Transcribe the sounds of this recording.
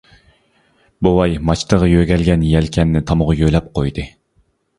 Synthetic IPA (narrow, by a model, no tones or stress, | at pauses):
bowɑjmɑt͡ʃʰt̪əʁɑjøɡʲɛlɡʲɛnjɛlkʲʰɛnːɪt̪ʰɑmʊʁʊjølɛp̚qʰojd̪ɨ